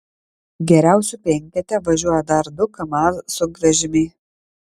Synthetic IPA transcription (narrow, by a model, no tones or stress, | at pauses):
ɡʲɛɾʲæˑʊsʲuːˑpʲɛŋʲkʲɛt̪ʲɛʋɐʒʲuɔjɛd̪ɐɾd̪ʊkɐmɑːssʊɡɾɐʒʲɪmʲeː